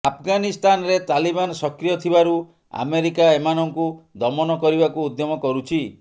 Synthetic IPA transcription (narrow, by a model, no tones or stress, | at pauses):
apʰɡanist̪ʰanɔɾet̪alibanɔsɔkɾijɔt̪ʰibaɾu | a̰meɾikaemanɔŋkud̪ɔmɔnɔkɔɾibakuud̪jɔmɔkɔɾut͡ʃʰi